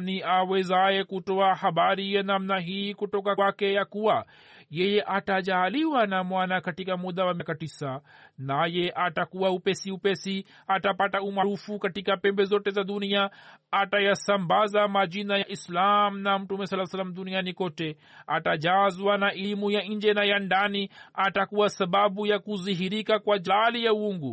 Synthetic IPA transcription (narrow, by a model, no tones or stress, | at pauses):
niaːwezaːjekuʈoahɐbaːɾianamnaɦikuʈokaakejakuwa | jejeʔaʈad͡ʒaːliwanamwanakɐʈikamud̪awamekɐʈisanajeʔaʈakuaupesiupesi | aʈapaʈaumaɾuːfukɐʈikapɛ̃mbezoːʈezad̪unijaatajasambazamaʄinajaʔislamnam̩tumɛsalːasalːamɗ̪unianikɔtɛ | ataʄazwanaʔimujaɲd͡ʒɛnajandaniatakuwasaɓaɓujakuziɦiɾikakwaʄaalijauuŋɡu